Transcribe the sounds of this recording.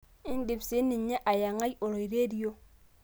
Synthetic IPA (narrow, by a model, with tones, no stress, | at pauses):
ɪ˦n˦di˨fse˨˦ni˨ɲ˦ɲe˦ʔa˨ja˨ŋa˦jo˨ɾo˨i˨ɾe˦di˦o˦